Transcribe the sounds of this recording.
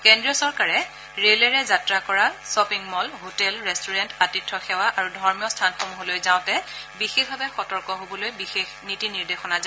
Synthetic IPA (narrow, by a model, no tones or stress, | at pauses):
kɛndɹijɔsɔɹkaɹɛ | ɹelɛɹɛzatɹakɔɹasɔpiŋmɔlɦotɛlɹɛstʰuɹɛntatitʰːɔxɛwaʔaɹudʱɔɹmijɔstʰanxʰɔmɦolojzaʊ̃tɛbixexbʱabɛxɔtɔɹkɔɦobɔlojbixexnitiniɹdexɔnaza